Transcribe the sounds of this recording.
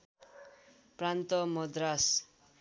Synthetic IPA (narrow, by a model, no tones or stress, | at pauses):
prant̪ʌmʌd̪ɾas